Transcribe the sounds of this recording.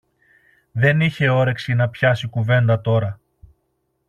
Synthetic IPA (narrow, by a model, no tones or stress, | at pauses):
ðe̞niçe̞o̞ɾe̞ksinɐpçɐsikuve̞nd̪ɐt̪o̞ɾɐ